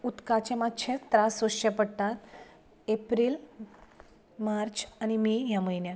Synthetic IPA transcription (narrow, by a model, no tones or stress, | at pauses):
ut̪kat͡ɕemat͡ɕʰet̪ɾasʋoʃepəɽt̪at̪ | epɾiːl | maɾt͡ɕañimijaməjnja